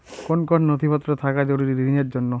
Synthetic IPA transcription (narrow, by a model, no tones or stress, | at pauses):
konkɔnnɔt̪ʰipɔt̪ːɾɔt̪ʰakad͡ʒoɽuɾiɾibʱinaɾd͡ʒonːɔ